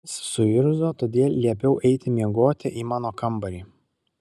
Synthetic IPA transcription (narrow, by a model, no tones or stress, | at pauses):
ssʊɪɾzoːt̪oːd̪ʲeːlˠʲlʲiɛpʲɛʊʔɛɪt̪ʲɪmʲiɛɡoːt̪ʲɪʔiːmɑːnoːkɐmbɐɾʲiː